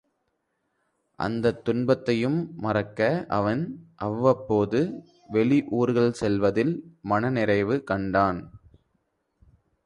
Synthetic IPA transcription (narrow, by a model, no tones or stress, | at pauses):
ʔɐ̰nd̪ɐt̪ːʊnbɐt̪ːɐjɯmːɐrɐkːɐʔɐʋɐnʔɐʋːɐpːoːðɯ | ʋɛɭɪʔuːɾɣɐɭsɛlʋɐðɪlmɐnɐnɪɾɐɪʋɯkɐɳɖaːn